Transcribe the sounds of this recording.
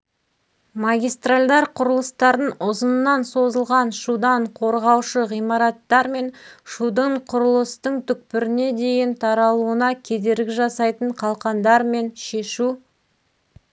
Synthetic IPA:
maɡʲijst̪ralʲd̪ɑɾqʰʊɾəlˠəst̪ɑɾənʊzənnːɑnso̞zəlˠʁɑnʃud̪ɑɴqʰo̞ɾʁɑwʃəʁijmɑɾɑt̪ːɑɾme̞nʃud̪əɴqʰʊɾəlˠəst̪əɴt̪ʰʏk̚pɪɾɪne̞d̪e̞jɪnt̪ʰɑɾɑlˠuənɑkʲʰe̞d̪e̞ɾɡʲɪʒɑsɑjt̪əɴqʰɑlˠqɑnd̪ɑɾme̞nʃe̞ʃu

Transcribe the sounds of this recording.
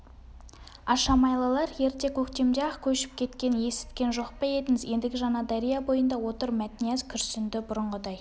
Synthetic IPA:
ɑʃɑmɑjlˠɑlˠɑɾje̞ɾt̪e̞kʲʰɵkt̪e̞md̪eɑqkʲʰɵʃɪ̥p̚kʲʰe̞t̪kʲe̞nje̞sɪ̥t̪kʲe̞nʒo̞qpɑje̞d̪ɪŋɪzje̞nd̪ɪɡʲɪʒɑnɑd̪ɑɾijɑbo̞jənd̪ɑwo̞t̪əɾmæt̪ɪnijazkʲʰʏɾsʏnd̪ɪbʊɾəɴʁəd̪ɑj

